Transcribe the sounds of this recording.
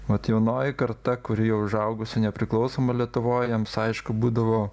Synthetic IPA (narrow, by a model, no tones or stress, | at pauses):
ʋɐt̪jɛʊnoːjɪkɐɾt̪ɐkʊɾʲɪjɛʊʒɐʊɡʊsʲʊnʲɛpʲɾʲɪklˠɐʊsoːmɐlʲiɛt̪ʊʋoːjjɛmsɐɪʃkʊbuːd̪ɐʋoː